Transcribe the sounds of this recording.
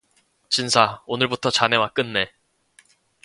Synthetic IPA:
t͡ɕinsʰaonɯɭbutʰʌt͡ɕane̞wak͈ɯnːe̞

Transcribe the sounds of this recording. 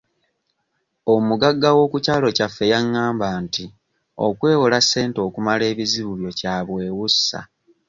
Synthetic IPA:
omuɡaɡːawo̞ːkucaːlo̞cafːe̞jaŋːaːmbaːnti | o̞̰kwe̞ːwolase̞ːnto̞ːkumale̞ːβiziβuβjo̞caːβwe̞ːwusːa̰

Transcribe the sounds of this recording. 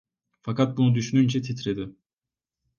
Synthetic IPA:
fakat̪̚bunud̪yʃynynt͡ʃʰɛt̪ʰit̪ʰɾed̪ɪ

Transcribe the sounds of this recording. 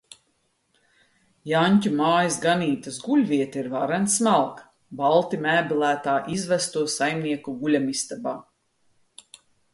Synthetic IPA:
janʲcʲumaːjasɡaniːt̪asɡulʲviɛt̪iɾvaɾɛnsmalˠk | balˠt̪imæːbilˠæːt̪aːʔizvæst̪uɔsajmniɛkuɡulʲamist̪aba

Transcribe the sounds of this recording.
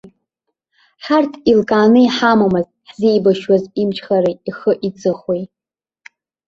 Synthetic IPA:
ħartʰilkʼaːnɨiħamamɨz | ħz̥iːjbaʃwazimt͡ʃʰχaɾiiχəʔit͡sʼɨχwej

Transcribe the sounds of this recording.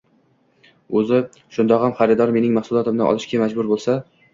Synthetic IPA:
ɵzɪ | ʃʊnd̪ɒqhamχɑɾɪd̪ɒɾme̞nɪŋmaχsʊlˠɒt̪ʰɪmnɪʔɒ̰lɪʃkʲʰamad͡ʒbʊɾbolˠsa

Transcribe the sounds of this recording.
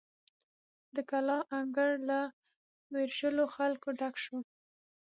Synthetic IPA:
d̪əkalɑʔaŋɡəɽla | weɾʃəloxalkoɖakʃo

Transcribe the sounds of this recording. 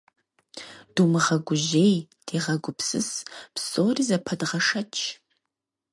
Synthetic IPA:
d̥uːmɨʁɐɡʷʊʒeːj | d̥ʰeːʁɐɡʷʊpsɨ̰spsoːrizɐpʰɐdʁɐʂɐt͡ʃʰ

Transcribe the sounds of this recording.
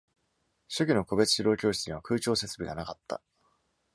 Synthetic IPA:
ɕokʲino̞ko̞be̞t͡sɨ̥ɕiɾo̞ːkʲo̞ːɕi̥t͡sɨɲiβakɯ̟ːt͡ɕo̞ːse̞t͡sɨbʲiɡa̰nakat̪ːa̰

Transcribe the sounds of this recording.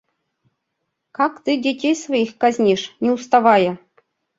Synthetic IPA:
kɑkt̪ɨdʲetʲejsvajixkazʲnʲeʂnʲeust̪ɑvɑjɤ̆

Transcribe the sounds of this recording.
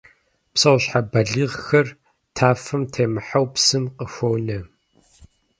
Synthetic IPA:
psɐwɕħabɐɮiːʁxɐr | tʰaːfɐmtʰeːmɨħawpsɨmqəxʷownɐ

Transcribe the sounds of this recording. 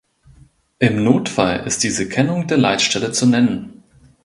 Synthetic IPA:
ʔɪmnoːtfalʔɪ̰st̚d̥iːzəkʰɛnʊŋdeːɐla̰ɪtʃtɛlət͡sunɛnən

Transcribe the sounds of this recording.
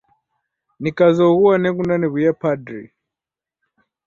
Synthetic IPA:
nikazɔɣuwanɛkundaniβujapadɾḭ

